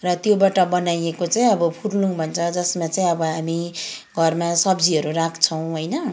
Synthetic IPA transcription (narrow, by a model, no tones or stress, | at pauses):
rʌt̪jobaʈʌbʌnajekot͡saĩʌbʌpʰuɽlũbʱʌnt͡sʰʌd͡zʌsmat͡saĩʌbʌɦamiɡʱʌrmasʌbd͡ziɦʌɾurakʰt͡sʰʌw̃ɦʌjnʌ